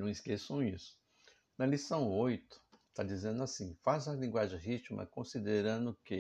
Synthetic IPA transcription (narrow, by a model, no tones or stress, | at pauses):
nɐ̃w̃iskesɐ̃w̃isʊ̥ | nɐlisɐ̃w̃ojt̪ʊ̥t̪ad͡ʒizẽnd̪ʊasĩfazɐlĩɡwaʒẽj̃ɦit͡ʃimɐ̰kõsid̪eɾɐ̃nd̪ʊkɪ